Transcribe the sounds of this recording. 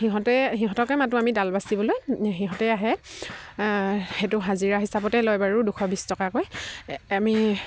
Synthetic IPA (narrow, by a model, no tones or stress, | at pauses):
xiɦɔ̃tɛxiɦɔ̃tɔkɛjmatuamidalbasibɔlojɦiɦɔ̃tɛaɦɛ | xɛtʊɦaziɹaɦisapɔtɛlojbaɹuduxʰɔbistɔkakojami